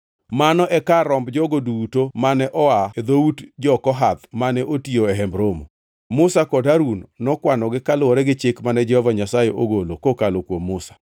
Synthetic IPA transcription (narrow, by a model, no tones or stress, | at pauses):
manɔʔɛkaɾɔmbd͡ʒɔɡodutomanɛʔɔaed̪outd͡ʒɔkɔɦat̪manɛʔotioɛɦɛmbɾomo̰ | mʊsakɔdaɾunːɔkwanɔɡɪkalɔɾɛɡɪt͡ʃɪkmanɛd͡ʒɛhɔvaɲasajeʔoɡolokokalokwomːʊsḁ